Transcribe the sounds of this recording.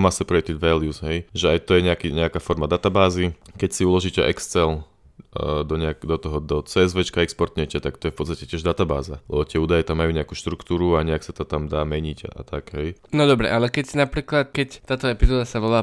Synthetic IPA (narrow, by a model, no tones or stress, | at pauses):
masɛpɾɔɛkt̪id̪ʋɛljusɦɛjʒɛajt̪ɔjɛɲɛakiɲɛakafɔɾmad̪at̪abaːzikɛcsiulɔʒiːcɛʔɛkst͡sɛl | d̪ɔɲɛakd̪ɔt̪ɔɦɔd̪ɔt͡sɛːɛzʋɛt͡ʃkaɛkspɔɾt̪ɲɛt͡ʃɪɛt̪akt̪ɔjɛfpɔt̪t͡sst̪acɛcɪɛʒd̪at̪aba̰ːzalɛ̰bɔt̪ɪɛuːd̪ajɛt̪amːajuɲɛakuːʃt̪ɾukt̪uːɾuaɲɛaksat̪ɔt̪amd̪aːmɛɲiɟa̰t̪aɡɦɛjnɔd̪ɔbɾɛ̰ʔalɛkɛcsinapɾiːklat̪kɛct̪aːt̪ɔɛpizɔːd̪asaʋɔlaː